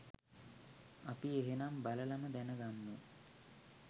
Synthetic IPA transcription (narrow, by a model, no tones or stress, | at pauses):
ɐpieɦenambalɐlɐnəd̪ɛnəɡamːə